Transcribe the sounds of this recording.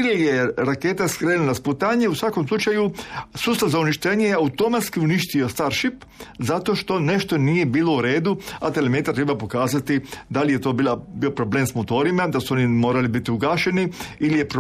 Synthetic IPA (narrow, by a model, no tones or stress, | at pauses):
ilijeɾake̞ːt̪askɾeːnnasput̪aɲe̞usʋako̞mslˠut͡ʃajusuːst̪aʋzauniʃt̪eɲejeaut̪o̞mat̪skiuniʃt̪io̞st̪aɾʃip | zat̪o̞ʃt̪o̞ne̞ʃt̪o̞nije̞biːlˠo̞uɾe̞ːd̪uat̪elemet̪aɾt̪ɾebapo̞kaːzat̪id̪alijet̪o̞ːbilabio̞pɾo̞ble̞ːmsmot̪o̞ːɾimad̪asuo̞nimo̞ːɾalibit̪iuɡaːʃe̞niilijep